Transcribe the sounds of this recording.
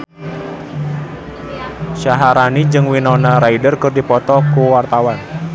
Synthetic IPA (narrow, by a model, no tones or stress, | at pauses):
ʃaɦaɾanid͡ʒɨŋwinɔnaɾaidərkɨrdipɔt̪ɔkuwart̪awan